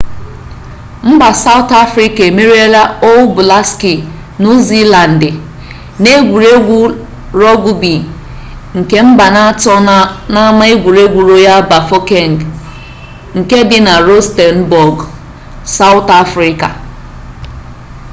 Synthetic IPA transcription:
m̩˦ba˨sa˦ʊ˦ta˦fɾi˦ka˨e˨me˦ɾe˦ɾa˦o˦wbʊ˨la˦ski˨ | nu˦zi˦la˨n̩˨dɪ˨ | ne˦ɡʷu˨ɾe˦ɡʷu˦ | ɾɔ˦ɡu˦bi˨ | ŋ̩˨ke˦m̩˦ba˨na˦tɔ˦na˦ma˦i˦ɡʷu˨ɾe˦ɡʷu˨ɾo˦ja˦ba˨fo˦ke˦˨ŋ̩˨ɡ | ŋ̩˨ke˦dɪ˦na˨ɾo˦ste˨n̩˨bɔ˨ɡ | sa˦ʊ˦ta˦fɾi˦ka̰˨

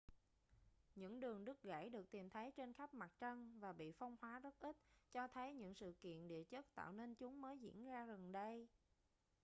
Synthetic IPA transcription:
ɲɨ̰˧˥ŋɗɨ˨˩əŋɗɨ˦˥k̚ɣa̰ː˧˩jɗɨ˨˩ək̚t̪i˨˩mt̪ʰə˨˦jt͡ɕe˧nxa˦˥p̚ma˨˩t̚t͡ɕə˧nvaː˨˩ɓḭ˧˨fɔ˧wŋ͡mhwaː˨˦zə˦˥t̚ʔi˦˥t̚t͡ɕɔ˧t̪ʰə˨˦jɲɨ̰˧˥ŋsɨ̰˧˨kḭ˧˨ənɗḭ˧˨ət͡ɕə˦˥t̚t̪a̰ː˧˨wne˧nt͡ɕʊ˨˦ŋ͡mməː˨˦jzḭ˧˥ənzaː˧ɣə˨˩nɗə˧j

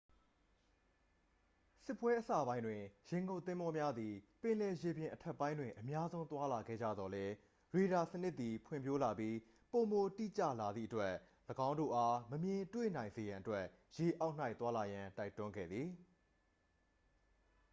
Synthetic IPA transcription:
sɪ˦˨pːwɛ˦ʔəsa̰˦˨bã˦ɪ̃ndwɪ̃˨jẽ˨ŋɡõ˦ʊ̃t̪ːɪ̃˦mbɔ˦mja˦d̪i˨pɪ̃˨lɛ˨je˨bjɪ̃˨ʔətʰɛ˦˨pːã˦ɪ̃ndwɪ̃˨ʔəmja˦zõ˦ʊ̃nt̪wa˦la˨ɡɛ̰˦˨d͡ʑa̰˦˨d̪ɔ˨lɛ˦ | ɹe˨ɾa˨sənɪ˦ʔt̪ːi˨pʰwɪ̰̃˦˨mpʰjo˦la˨pji˦ | po˨mo˨tḭ˦˨t͡ɕä̰˦˨la˨d̪ðḭ˦ʔətwɛ˦ʔ | ləɡã˦ʊ̃ndo̰˦˨ʔa˦məmjɪ̃˨twḛ˦˨nã˨ɪ̃nze˨jã˨ʔətwɛ˦ʔ | je˨ʔa˦ʊʔn̥a˦ɪt̪wa˦la˨jã˨ta˦ɪtʊ̃˦ŋɡɛ̰˦˨d̪ði˨

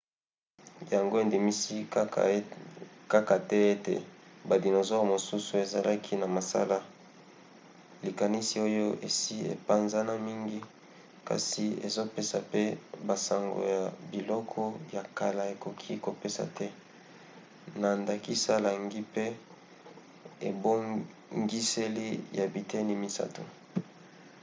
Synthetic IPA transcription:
ja˨ŋɡo˦e˨ndi˨mi˦si˦ | ka˦ka˨tɛ˦e˦tḛ˨ba˨di˨no˨zɔ˦˨mo˨su˦su˨e˨za˨lʔa˦kʰi˦na˨ma˨sa̰˦la˦ | li˨ka˨ni˦si˨o˦jo˦ʔe˨si˦ḛ˨pa˦nza˦na˦mi˦ŋɡi˦ | ka̰˨si˨ḛ˨zo˦pe˦sa˨pe˦ba˨sa˨ŋɡo̰˨ja˨bi˨lɔ˦kʰɔ˦ja˨ka˨la˨e˨ko˨kʰi˦ko˨pe˦sa̰˨tʰɛ˦ | na˨nda˨ki˦sa˦la˨ŋɡi˦pe˦ | e˨bo˦ | ŋɡi˦se˦li˦ja˨bi˨te˦ni˦mi˦sa̰˦to̰˨

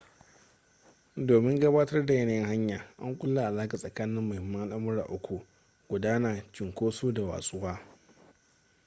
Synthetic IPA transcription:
doː˨mɪ˦ŋɡɐ˦baː˦tɐ˦rda˨jɐ˦na˨jɪ˦ŋɦa˦ɲjaː˨ʔa̰˦ŋkʷʼʊ˦lːa˨ʔa˨laː˦ka˨sʼɐ˨kaː˦nɪ˦mːʊ˨hɪ˨mːɐ˦ŋʔa˦ʔa˦mʊ˦ɽa̰ː˨ʔʊ˦kʷʰu˨ʔ | ɡ̥ʷʊ˨daː˦naː˨t͡ʃɪ˨ŋkʷoː˦soː˦da˨wa̰ː˨sʼʊ˦waː˦

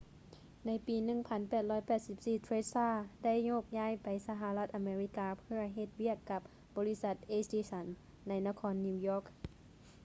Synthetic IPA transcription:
na˧˥jpiː˨nɯ˧˩ŋpʰa˧˥npɛː˨˩t̪̚lɔː˧˥˨jpɛː˨˩t̪̚si˧˩p̚siː˨˩t̪ʰɾeː˧˥saː˧˩da˥˩jɲo˧˩k̚ɲaː˧˥˩jpa˨jsa˧ɦa˧la˧t̪̚ʔa˨˧meː˧ɾi˧˥kaː˧pʰɯ˧˥˩ɐɦe˧t̪̚wi˥˩əkːa˧˥p̚ | bɔː˨˦li˦˥sa˧˩t̪̚ʔeː˧˩sdiː˧˩sa˧˥nː | a˧˥jna˧kʰɔː˧˥nːi˧wjɔː˧˥˩k̚

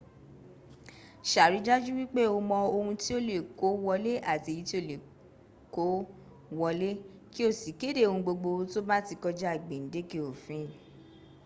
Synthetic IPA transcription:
ʃa˨ɾi˨˦d͡ʒa˦d͡ʒu˦wi˦k͡pe˦o˧mɔ̃˧o˧hũ˧ti˦o˦le˦˨ko˨˦wɔ˧le˦a˦˨ti˧˨ji˨˦ti˦o˦˨le˨ | ko˨˦ | wɔ˧le˦ | ki˦o˦˨si˨˦ke˦de˦o˧hũ˧ɡ͡bo˧ɡ͡bo˧to˦ba˦ti˧kɔ˧d͡ʒɛ˦a˦˨ɡ͡be˨n̩˨˦de˦ke˦˨o˨fĩ˨˦˨

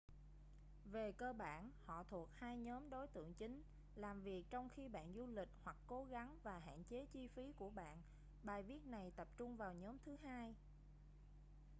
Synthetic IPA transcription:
ve˨˩kəː˧ɓa̰ː˧˨nhɔ̰˧˨t̪ʰu˨˩ət̚haː˧jɲɔː˨˦mɗo˨˦jt̪ɨ̰˧˨əŋt͡ɕï˨˦ŋ̟ | laː˨˩mvi˨˩ək̚t͡ɕɔ˧wŋ͡mxi˧ɓa̰ː˧˨nzu˧lï˨˩k̟̚hwa˨˩kːo˨˦ɣa˨˦ŋvaː˨˩ɦa̰ː˧˨nt͡ɕe˨˦t͡ɕi˧fi˨˦ku˧˩əɓa̰ː˧˨n | ɓaː˨˩jvi˦˥ət̚na˨˩jt̪ə˨˩p̚t͡ɕʊ˧ŋ͡mvaː˨˩wɲɔ˨˦mt̪ʰɨ˨˦ɦaː˧j

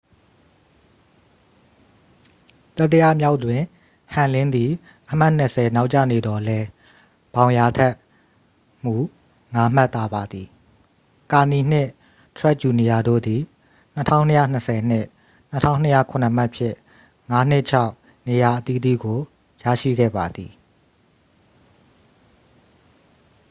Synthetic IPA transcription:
t̪a˦˨t̪ːə˨ja˦˨mja˦ʊʔtwɪ̃˨ | hã˨lɪ̃˦nd̪i˨ | ʔəm̥a˦˨n̥ə˨sʰɛ˨na˦ʊʔt͡ɕä̰˦˨ne˨d̪ɔ˨lɛ˦ | b̥ã˨ʊ̃ja˨tʰɛ˦ʔ | m̥u˦˨ | ŋa˦m̥a˦t̪ːa˦ba˨d̪i˨ | ka˨ni˨n̥ɪ̃˦˨ʔ | t̪ʰɹɛ˦ʔ̚t͡ɕu˨ni˨ja˨do̰˦˨d̪i˨ | n̥ə˦tʰã̰˦˨ʊ̃nːə˦jä̰˦˨n̥əsɛ˨n̥ɪ˦˨ʔ | n̥ətʰã̰˦˨ʊ̃nə˦jä̰˦˨kʰʊ̃˨nə˨m̥a˦ʔpʰjɪ̰̃˦˨ | ŋa˦n̥ɪ˦ʔt͡ɕʰa˦ʊ | ne˨ja˨ʔət̪i˦d̪ḭ˦˨ɡo˨ | ja̰˦˨ʃḭ˦˨ɡɛ̰˦˨ba˨d̪i˨

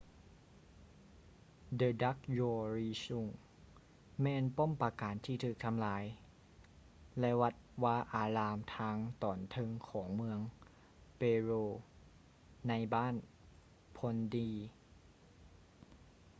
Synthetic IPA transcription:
dɤː˧da˦˥k̚joː˧ɾiː˧su˧˩ŋ | mɛː˧˨npo˥˨mpa˧kaː˨˩˦nt̪ʰiː˧˩t̪ʰɯː˨˩k̚t̪ʰa˧mlaː˩˨˦j | lɛ˧wa˧˥t̪̚waː˧˥ʔaː˧˩laː˧mt̪ʰaː˧˥ŋt̪ɔː˩nt̪ʰɤ˧ŋkʰɔː˩˦ŋmɯ˧əŋ | peː˧ɾoː˧ | na˧jbaː˥˩n | pʰo˧ndiː˧

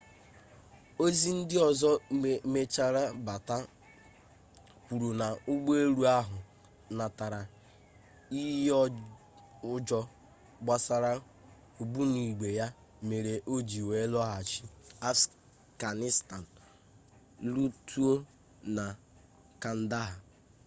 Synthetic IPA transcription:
o˦zi˦n̩˦dɪ˦ɔ˨zɔ˦˨me˦t͡ʃa˦ɾa˦ba˨ta˦ | kʷu˨ɾu˨na˨ʊ˦ɡ͡be˦ɾu˦a˦ɦʊ˨ | na˨ta˨ɾa˨ | i˦ɦɔ˦ | ʊ˦d͡ʒɔ˦ | ɡ͡ba˦sa˦ɾa˦ | o˨bu˦ni˨ɡ͡be˨ja˦ | me˨ɾe˨ʔo˦d͡ʒi˨we˨˦lɔ˦ɦa˨t͡ʃi˦a˦f | ɡa˨nɪ˦sta˨n̩˨ | lu˦tʰu˦o˦ | na˨ | ka˨n̩˦da˦ɦa˨

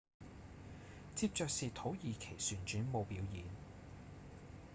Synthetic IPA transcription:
t͡siː˧p̚t͡ʃœː˧k̚siː˨˧t̪ʰo˨˥wjiː˨kʰe˨˩jsyː˨˩nt͡ʃyː˨˥nmo˨˧wpiː˨˥wjiː˨˧n

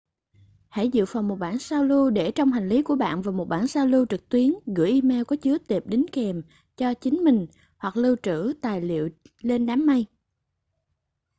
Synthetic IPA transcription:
ha̰˧˩jzɨ̰˧˨fa˨˩wŋ͡mmːo˨˩t̚ɓaː˧˩˨nsaː˧wlu˧ɗe˧˩t͡ɕɔ˧wŋ͡mɦa˨˩jŋ̟li˨˦ku˧˩əɓa̰ː˧˨nvaː˨˩mo˨˩t̚ɓaː˧˩nsaː˧wlu˧t͡ɕɨ˨˩k̚t̪wi˨˦ənɣɨ̰˧˩ʔi˧mɛ˧wkɔ˨˦t͡ɕɨ˨˦ət̪e˨˩p̚ɗi˨˦ŋkɛ˨˩m | t͡ɕɔ˧t͡ɕï˨˦ŋ̟mï˨˩ŋ̟ | hwa˨˩k̚lɨ˧wt͡ɕɨ̰˧˥t̪aː˨˩jlḭ˧˨əwle˧nɗaː˨˦mːa˧j

